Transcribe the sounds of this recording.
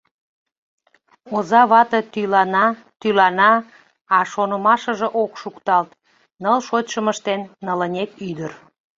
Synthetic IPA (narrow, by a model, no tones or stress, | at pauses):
ozɑβɑt̪ət̪ylɑnɑ | t̪ylɑnɑ | ɑʃonəmɑʃəʒə̆ʔokʃukt̪ɑlt̪ | nəlʃot̪ʲʃəməʃt̪enːələnʲekyd̪ər